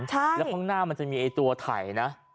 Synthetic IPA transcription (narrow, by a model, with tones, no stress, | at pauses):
t͡ɕʰa˥˩lɛ˦˥kʰaː˥˩ŋnaː˥˩ma˧nt͡ɕa˨˩ʔmiː˧ʔa˧jt̪u˧ɐt̪ʰa̰˨˩˦jna˦˥